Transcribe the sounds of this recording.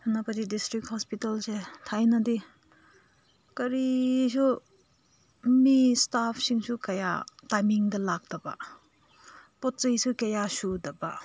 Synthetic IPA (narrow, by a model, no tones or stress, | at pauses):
napɐdidistɾikhɔspitɐlsetʰajnɐdi | kɐɾisu | mistapʰsiŋsukɐja̰tajmiŋdɐlak̚d̥ɐba̰ | pɔt̚t͡ʃɐjsukɐjasudɐba